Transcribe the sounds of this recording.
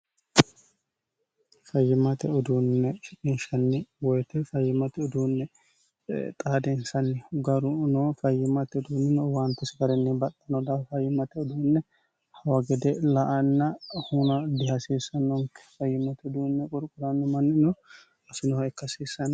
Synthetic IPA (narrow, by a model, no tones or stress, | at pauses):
fɐjːɪmɐt̪ɛɔd̪uːnːɛʃɪkʼɪnʃɐnːɛwɔjt̪ɛfɐjːɪmɐt̪ɛɔd̪uːnːɛ | t̪ʼaːd̪ɛnsɐnːɪɡɐɾʊnoːfɐjːɪmɐt̪ɛɔd̪uːnːɪnowant̪ɪsɪɡɐɾɛnːɛbɐt̪ʼːɐnɔd̪ɐffɐjːɪmɐt̪ɛɔd̪uːnːɛ | hɐwɐɡɛd̪ɛlɐʔɐnːɐhunɐd̪ɪhɐsiːsːɐnːɔŋkːɛ̥fɐjːɪmɐt̪ɛɔd̪uːnːɛkʼʊɾkʼʊɾɐnːɪmɐnːɪnɔ | sɪnɔhɛkːɐsiːsɐn